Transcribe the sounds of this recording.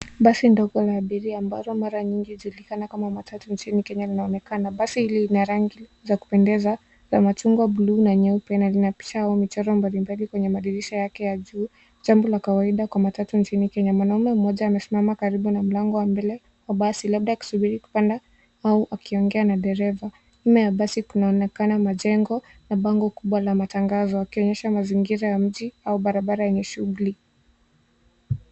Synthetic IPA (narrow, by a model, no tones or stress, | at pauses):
ɓasindɔɡɔlaːɓiɾiamba̰lɔmaɾaɲiŋɡihd͡ʒulikanakamamatʰatunt͡ʃinikɛɲalinaɔnɛkanaɓasihiliinaɾaŋɡizaku̥pɛndɛza | zamat͡ʃuŋɡwaɓuluːnaɲɛupɛnalinapi̥ʃahaumit͡ʃɔɾɔmbalimbalikwɛɲɛmaɗiɾiʃɔjakɛjaʄuː | d͡ʒambɔlakawaiɗakwamatatunt͡ʃinikɛɲamwanaumɛm̩mɔʄaːmɛsimamakaɾiɓunam̩laŋɡɔwambɛlɛ | waɓasilaɓ̚ɗajaku̥suɓiɾiku̥panda | auʔakiɔŋɡɛanaɗɛɾɛva | imɛjaɓasikunaɔnɛkanamaʄɛŋɡɔnaɓaŋɡɔkuɓwalamataŋɡazɔakiɔɲɛʃamaziŋɡiɾajam̩ʄiauɓaɾaɓaɾajɛɲɛʃuuli